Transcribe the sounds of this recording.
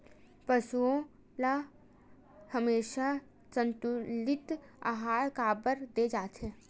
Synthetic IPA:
pəsuõ | la | həmeːʃa | t͡ʃə̃nt̪ulɪt̪a̰ɦaːjkaːbəɾd̪eːd͡ʒaːt̪ʰɦeː

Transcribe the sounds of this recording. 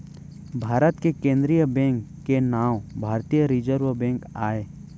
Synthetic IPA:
bʱaːɾət̪kekẽːnd̪ɾijəbɛ̃ːŋkːenaːwbʱaːɾt̪ijəɾɪd͡ʒəɾʋbɛ̃ːŋkaːeː

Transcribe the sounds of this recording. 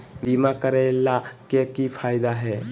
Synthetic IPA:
bimakəɾelakekipʰaːjd̪aɦɛ

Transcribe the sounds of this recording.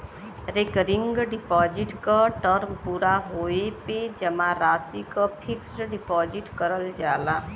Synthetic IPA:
ɾekəɾɪ̃ŋɡɖɪpɔːd͡ʒɪʈkaʈəɾmpuːɾaɦoːeped͡ʒɐmãɾaːsikapʰɪksʈɖɪpɔːd͡ʒɪʈkəɾəld͡ʒaːlaː

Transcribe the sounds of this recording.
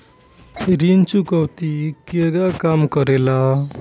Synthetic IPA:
ɾint͡ʃukɔwt̪ikeɡakamkʌɾela

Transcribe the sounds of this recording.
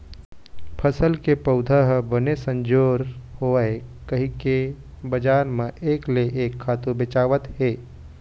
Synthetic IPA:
pʰɐsəlkepəʊd̪ʱəɦbɐnesə̃ɲd͡ʒoːɾhoaekɐɦĩke | bɐd͡ʒaːɾmẽʔeːkleʔeːkʰːaːt̪ubɪt͡ʃaːʋət̪ɦeː

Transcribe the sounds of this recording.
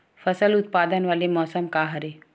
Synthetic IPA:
fɐsəlʊt̪̚paːd̪ənʋaːlemɔːsəmkaɦɐɾe

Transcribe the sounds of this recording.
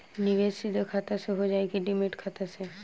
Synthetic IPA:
nɪʋeːsid̪ʱakʰaːt̪aseɦod͡ʒaːeɡiɖimɪʈkʰat̪ase

